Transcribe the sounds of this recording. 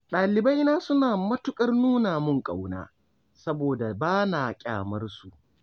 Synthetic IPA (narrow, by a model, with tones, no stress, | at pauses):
ɗaː˨lɪ˨bɐ˦jnaː˦sʊ˦naː˨mɐ˦tʊ˦kʼɐ˦rnuː˦naː˨mʊ˦˨ŋkʼa˨wna̰ː˦ | sɐ˦boː˨da˨baː˦naː˨kʲʼa̰ː˨mɐ˦rsu˨ʔ